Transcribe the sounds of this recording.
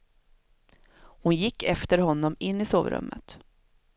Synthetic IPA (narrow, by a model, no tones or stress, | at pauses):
hʊnjɪkːɛft̪əɾhɔnːɔmɪnːɪso̰ːvɾɵ̰mːə̰t̪